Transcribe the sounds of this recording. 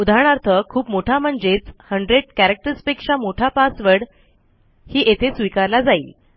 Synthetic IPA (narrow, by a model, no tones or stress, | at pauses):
ud̪ʱaɳ̃aɾt̪ʰəkʰuːpmoʈʰam̤əɳd͡zet͡shəɳɖɾeɽ̚kæɾək̚ʈəɾəspikʂamoʈʰapasʋəɽ | hiːʔet̪ʰesʋikaɾlad͡zaiːl